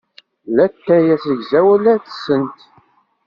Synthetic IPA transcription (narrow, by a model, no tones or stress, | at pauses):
læt̪ːæjæsəʝzæwælæθsənt̪